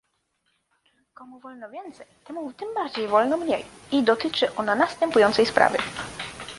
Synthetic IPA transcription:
kɔmuvɔlnɔvʲjɛnt̪sɛjt̪ɛmut̪ɘmbaɾd͡ʑejvɔlnɔmɲejid̪ɔt̪ɘt͡ʂɘʔɔnanast̪ɛmpujɔnt̪sɛjspɾa̰vɘ̰

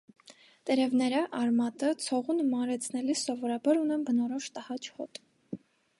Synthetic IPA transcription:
t̪ɛɾɛvnɛɾəʔɑɾmɑt̪ət͡sʰɔʁunmɑɾɛt͡sʰnɛlisɔvɔɾɑbɑɾunɛmbənɔɾɔʃt̪əhɑt͡ʃʰhɔ̰t̪

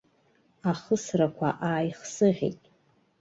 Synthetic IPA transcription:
aχəsrakʷʰa̰ʔaːjχsɨʁʲḛtʼ

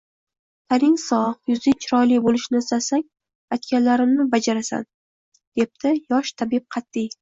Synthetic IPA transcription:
t̪ʰaɾɪŋsɒχjʊzɪt͡ʃʰɪɾɒjlibolɪʃnɪɪst̪asaŋʲ | ajt̪kʲanlaɾɪmnɪbad͡ʒaɾasa̰n | d̪̥e̞p̚d̪ɪjɒʃt̪ʰabɪp̚qʰɑt̪ːij

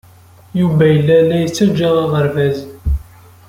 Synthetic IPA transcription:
juvæjəlːælːæjət͡sːæd͡ʒæʁɑʁəɾvæz

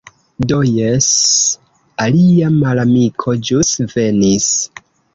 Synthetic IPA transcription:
do̞jes | aliamalamikʰo̞d͡ʒusve̞nis

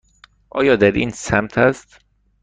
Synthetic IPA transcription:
ʔɒ̰ːjɒːd̪æɾʔḭːnsæmt̪ʰæst̪

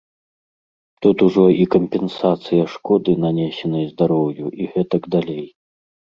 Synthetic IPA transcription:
t̪ut̪uʐɔikɐmʲpʲɛnsat̪sɨjɐʂkɔd̪ɨnanʲɛsʲɛnɨjɐzd̪aɾɔwjuʔiɣɛt̪ɐɡd̪alʲej

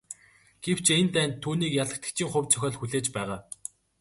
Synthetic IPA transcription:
ɡ̥ew̥t͡ɕʰent̪æːnt̪ʰːuːniːkjaɮə̆k̚t̪ə̥̆kt͡ɕʰiːŋχʊwʲt͡sʰœxʲɔːɮxuɮeːt͡ɕpæːʁaː

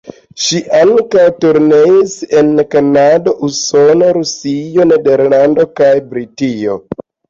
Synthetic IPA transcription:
ʃiʔaŋkawtuɾneise̞nkanadoʔuso̞noɾusio̞ne̞de̞ɾlando̞kajbɾitio̞̰

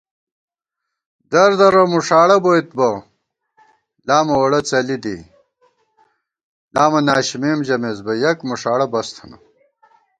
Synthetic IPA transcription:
d̪ɐɾd̪ɐɾɐmuʂaːɽɐbojt̪bɐ | laːmɐwɐɽɐt͡sɐlid̪ḭ | laːmɐnaːɕimemd͡ʑɐmezbɐjɐkmuʂaːɽɐbɐst̪ʰɐnɐ̰

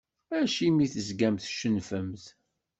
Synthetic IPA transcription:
æʃimiθəzɡæmθʃənfəmθ

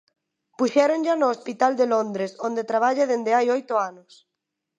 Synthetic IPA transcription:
puʃɛɾõnʎanoːspit̪ald̪elõnd̪ɾesond̪et̪ɾaβ̞aʎeðend̪eajojt̪oanos

